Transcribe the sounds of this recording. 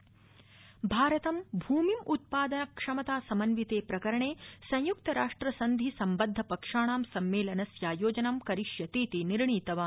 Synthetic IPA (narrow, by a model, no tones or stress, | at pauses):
bʱaːɾɐt̪ɐmbʱuːmimut̪̚paːd̪ɐnɐkʂɐmɐt̪aːsɐmɐnʋit̪eːpɾɐkɐɾɐɳeːsɐ̃j̃juk̚t̪ɐɾaːʂʈɾɐsɐnd̪ʱisɐmbɐd̪ʱːɐpɐkʂaːɳaːmsɐmːeːlɐnɐsjaːjoːd͡ʒɐnɐmkɐɾiʂjɐt̪iːt̪iniɾɳiːt̪ɐʋaː